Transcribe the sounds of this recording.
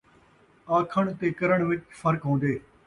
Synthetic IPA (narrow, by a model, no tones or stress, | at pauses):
aːkʰəɽ̃t̪eːkɐɾəɽ̃ʋɪt͡ʃfʰəɾkɦõːn̆d̪eː